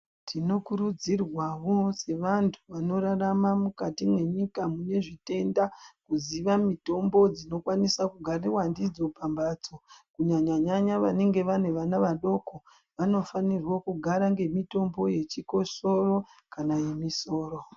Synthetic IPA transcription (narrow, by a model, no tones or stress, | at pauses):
tʰino̞kuɾud͡zirwawose̞ʋantʰuʋano̞ɾaramamukatimwe̞ɲikamune̞ʐite̞ndakuziʋamito̞mbo̞d͡zino̞kwanisakuɡʱariwandid͡zo̞pambad͡zo̞kuɲaɲaɲaɲaʋane̞ŋɡe̞ʋane̞ʋanaʋaɗo̞ko̞ | ʋano̞fanirwokuɡʱaɾaŋɡe̞mito̞mbo̞je̞t͡ʃiko̞so̞ro̞kanaje̞miso̞ːro̞